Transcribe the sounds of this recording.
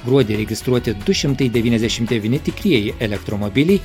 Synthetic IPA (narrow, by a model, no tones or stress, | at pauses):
ɡɾuod̪ʲeɾeɡʲist̪ɾuat̪ʲed̪ujʃɨmnt̪ɨjd̪evinezʲeʃimt̪ʲevʲinʲet̪ʲikɾijejelʲek̚t̪ɾomobilʲij